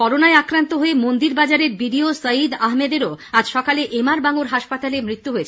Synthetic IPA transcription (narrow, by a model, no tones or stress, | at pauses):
kɔɾonaeakɾant̪oɦoemond̪iɾbad͡ʑaɾeɾbiɖiosəid̪aɦmed̪eɾoad͡ʑʃɔkaleʔemaɾbaŋuɾɦaʃpat̪alemɾit̪ːuɦoet͡ɕʰ